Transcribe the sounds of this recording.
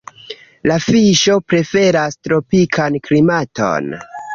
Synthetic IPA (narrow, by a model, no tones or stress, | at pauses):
lafiʃo̞pɾe̞fe̞ɾastɾo̞pikʰanklimatʰo̞̰n